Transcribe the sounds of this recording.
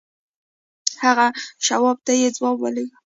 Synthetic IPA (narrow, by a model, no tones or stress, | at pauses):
haɣaʃawɑb̚t̪ajed͡zwɑbwa̰lewi